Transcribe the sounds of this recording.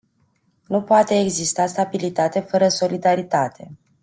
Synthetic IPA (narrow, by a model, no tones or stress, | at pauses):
nupoat̪e̞ːɡzist̪ast̪abilit̪at̪e̞fəɾəso̞lid̪aɾit̪at̪ʰe̞